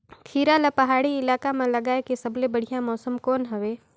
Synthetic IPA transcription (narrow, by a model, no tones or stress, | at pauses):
kʰiːɾalapɐɦaːɽiɪlaːkamẽlɐɡaːekesɐblebɐɽ̤ijamɔːsəmkɔːnɦɐʋeː